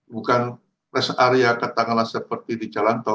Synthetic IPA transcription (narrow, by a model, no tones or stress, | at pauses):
bukan | rɛsaɾeakət̪aŋanlahsəpərt̪idid͡ʒalant̪ɔ